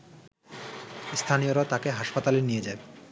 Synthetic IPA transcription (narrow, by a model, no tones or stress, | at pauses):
st̪ʰanioɾat̪akeɦaʃpat̪alenijed͡ʑae